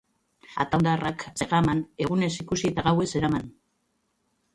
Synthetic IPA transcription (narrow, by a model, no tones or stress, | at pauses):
a̰t̪and̪arakseɣamane̞ɣ̞une̞sikusiet̪aɣawe̞se̞ɾaman